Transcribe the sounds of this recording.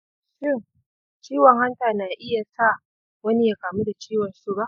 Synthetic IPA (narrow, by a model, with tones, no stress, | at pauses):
ʃɪ˦˨ŋ | t͡ʃiː˦wɔ˨ŋɦa˦ntaː˨na˨ʔɪ˦ja˨sa˦˨ | wɐ˦ni˦jaː˨kaː˨mu˦da˨t͡ʃiː˦wɔ˨nsu˦˨ba˦ʔ